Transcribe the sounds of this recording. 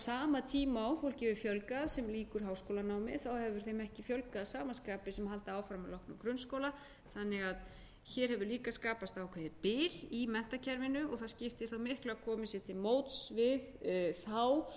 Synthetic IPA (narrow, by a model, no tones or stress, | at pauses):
saːmat̪ʰiːmaɔwfowlcɪvɪfjœlkaðsɛmliːkʏɾ̥ɦaːwskoːwlanawmɪ̰θawhɛvvʏɾ̥θejmɛhcɪfjœlkaðsaːmaskaːpɪsɛmhɦalt̪aaːwfɾamalɔhknʏmkɾʏnskoːwla | θanːɪɣað | çɛɾ̥hɛvʏɾliːkaskaːpast̪aːwkʰvɛðɪpɪlimɛn̥t̪acʰɛɾvɪnʏɔɣθascɪft̪ɪ̥θawmɪhklaakʰɔːmɪsɪt̪ʰɪlmoːwt̪svɪðθaw